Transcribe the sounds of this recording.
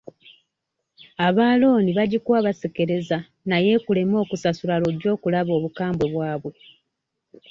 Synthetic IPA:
aβaːlo̞ːniβaɟikwaːβasike̞ɾe̞za | naje̞ːkule̞mo̞ːkusasulaloɟo̞ːkulaβo̞ːβukaːmbo̞βwaːβwe̞

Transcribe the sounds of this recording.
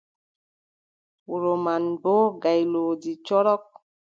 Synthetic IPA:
uɾomanboɡajloːd͡ʒit͡ʃɔɾɔk̚

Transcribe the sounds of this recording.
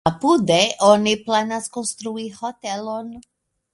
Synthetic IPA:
pud̪ɛʔoniplanaskonst̪ɾuihot̪ɛlon

